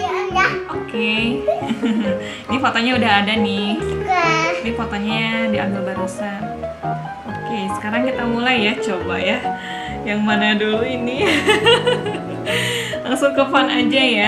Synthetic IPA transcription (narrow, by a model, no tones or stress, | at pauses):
aokʰe | inifot̪oɲaudaɦadanɪɡanifot̪oɲadia̰bɪlbaɾisan | okesə̥kaɾaŋkit̪amulajːat͡ʃobaja | jaŋmanaduluini | laŋsʊŋkəfanad͡ʒaja